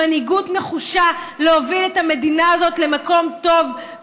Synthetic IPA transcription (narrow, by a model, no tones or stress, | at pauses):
aniɡutme̞χuʃaleoviletame̞dinaazo̞tle̞mako̞mto̞v